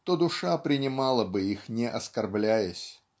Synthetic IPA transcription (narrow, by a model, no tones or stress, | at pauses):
t̪od̪ʊʂapɾʲɪnʲɪmɑlˠəbɨixnʲɪʔɐskɐrblʲæjəsʲ